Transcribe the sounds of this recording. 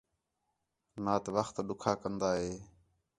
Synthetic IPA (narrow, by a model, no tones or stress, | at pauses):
naːt̪ʋəxt̪ɗʊkʰaːkənd̪aːɦeː